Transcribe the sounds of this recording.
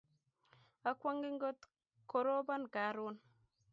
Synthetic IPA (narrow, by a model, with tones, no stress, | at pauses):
a˦kwa˦ŋɡi˦ŋ̩˦ɡo˦t | ko˦ɾo˦ba˦nka˨˦ɾo˦n